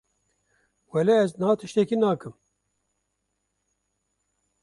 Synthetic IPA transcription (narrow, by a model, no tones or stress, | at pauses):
wɛlɛɛznɑːt̪ʰɨʃt̪ɛkinɑːkɨm